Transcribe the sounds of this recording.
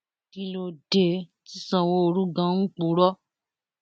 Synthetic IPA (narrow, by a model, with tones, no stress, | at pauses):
ti˧lo˧de˨ti˦sã˨wo˦o˧ɾũ˦ɡã˨˦ŋ̩˦k͡pũ˨˦ɾɔ˦